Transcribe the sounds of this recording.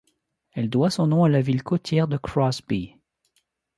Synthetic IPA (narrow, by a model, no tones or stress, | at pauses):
ɛld̪wasɔ̃nɔ̃alavilkot̪ʰjɛʁd̪əkχɔsbi